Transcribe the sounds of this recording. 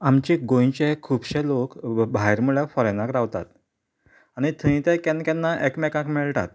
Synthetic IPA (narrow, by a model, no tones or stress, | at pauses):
amt͡ɕiɡõjt͡ɕekʰːubɕelokbʱajɾmuɭjɛfɔɾenakɾaʋt̪a̰t̪ | añit̪ʰə̃ĩt̪ẽkãnkanːaʔekmɛkãkmiɭt̪a̰t̪̚